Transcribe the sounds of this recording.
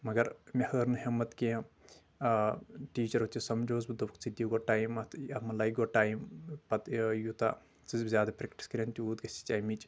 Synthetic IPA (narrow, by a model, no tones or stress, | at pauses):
mɐɡɐɾmʲɐhəːɾnɨɦemɐt̪kʲe | ʈiːt͡ʃɐɾot̪ʲʰisɐmd͡ʒoːzbɨd̪ukʰt͡sid̪ʲiɡoʈaːjmɐt̪ʰɐmɐlɐjk̚ɡoːʈaːjmpɐt̪jut̪a̰ | t͡sɨzbzʲjaːd̪ɐpɾekʈi̥skɐɾʲɐnt̪ʲiuːd̪ɡɐsʲi̥t͡ʃaːjmit͡ʃ